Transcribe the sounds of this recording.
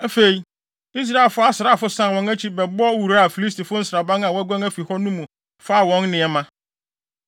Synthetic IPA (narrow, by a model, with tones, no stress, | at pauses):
æ˦fe˨i˨ | i˦s̬ɾa˦e˨lfʊ˦a˦sɪ˨ɾa˦˨fʊ˦sã˦˨wɔ̃˨næ˦t͡ɕʰi˦bɛ˨bɔ˦wu˨ɾa˦a˨fi˨li˦sti˨fʊ˦n̩˦sɾa˨bã˦ŋã˨wɔ˦æ˦ɡʷã˦ŋæ˦fi˨hɔ˦nũ˦mũ˨ | fa˦˨wɔ̃˨˦nnɪ̃˨ɛ˨mã˦